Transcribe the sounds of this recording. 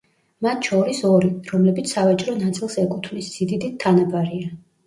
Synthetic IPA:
mat̪ʰʃɔɾisɔɾiɾɔmlɛbit̪ssavat͡ʃʼɾɔnat̪sʼilˠsɛkʼut̪ʰvlisz̥id̪id̪it̪ʰːanabaɾia

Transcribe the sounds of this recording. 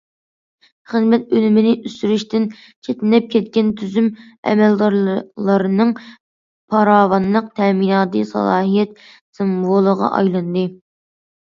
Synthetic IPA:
χəzmɛt̪̚ølymɪnɪʔysyɾyʃt̪ɪn | t͡ʃʰet̪ɪnɛp̚kʲʰɛt̪̚kʲɛnt̪ʰyzymɛ̰mɛld̪ɑɾlˠɑɾɨnɨŋ | pʰɑɾɑːwɑnlˠəq̚t̪ʰɛminɑːt̪ɨsɑ̰lˠɑːɦijɛt̪̚ | sɨmvolˠəʁɑ̰ʔɑ̰jlˠɨnd̪ɨ

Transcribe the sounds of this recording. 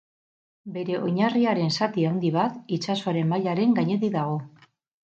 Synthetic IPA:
be̞ɾe̞ʔo̞ɲariaɾe̞nsat̪iawnd̪iβ̞at̪it͡ʃaso̞aɾe̞mːaʎaɾe̞ŋɡaɲe̞t̪iðaɣ̞o̞

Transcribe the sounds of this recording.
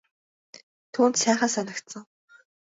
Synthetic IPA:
t̪ʰuːnt̪sæːχaːsanə̆kt̪sə̆ŋ

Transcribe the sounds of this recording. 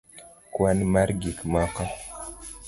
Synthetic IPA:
kwanmaɾɡikmaqa

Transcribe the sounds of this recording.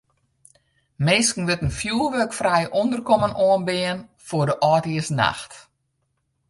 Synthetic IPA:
meːskn̩ʋɪtənfjuːlˠʋøkfrɛjʔondərkɔmənʔoənbɪənfodəʔɔːtiəsna̰xt

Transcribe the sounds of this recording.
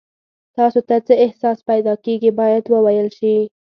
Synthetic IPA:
t̪ɑsot̪at͡səɪhsɑspajd̪ɑkeɡibɑjad̪wəwajəlʃi

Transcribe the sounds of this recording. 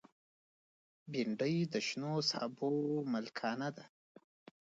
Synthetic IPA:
biɳɖəjd̪əʃnosɑ̰bomalkʰɑnad̪a

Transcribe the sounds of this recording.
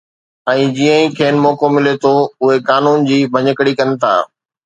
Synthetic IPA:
ɛ̃ːd͡ʑiːə̃ĩkʰeːnɪmɔːkomɪlet̪ʰoʊɦekaːnuːnd͡ʑiːbʱɐɲəkəɽikɐnɪ̆t̪ʰa̰ː

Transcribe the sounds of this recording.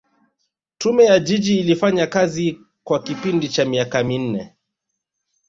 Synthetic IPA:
tumɛjad͡ʒid͡ʒiːlifaɲakazi | kwakipindit͡ʃamiakamin̩nɛ

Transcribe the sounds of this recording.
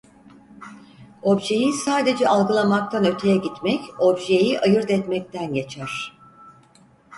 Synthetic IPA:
o̞bʒe̞jisaːd̪e̞d͡ʒɛʔalˠɡɯlˠamak̚t̪ʰanø̞t̪ʰe̞jɛɟit̪mɛco̞bʒe̞jiʔajɯɾd̪ɛt̪mɛc̚t̪ʰænjet͡ʃʰæɾ̥

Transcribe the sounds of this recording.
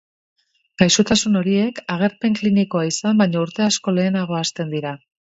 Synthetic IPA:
ɡ̥ajsot̪asuno̞ɾie̞kaɣ̞e̞ɾpe̞ŋkliniko̞aisambajɲauɾt̪e̞asko̞le̞ːnaɣ̞o̞ast̪e̞nd̪iɾa

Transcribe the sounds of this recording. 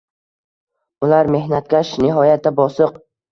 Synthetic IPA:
ʊlaɾme̞hnat̪̚kʲaʃnɪɦɒjat̪ʰːabɒsɨq

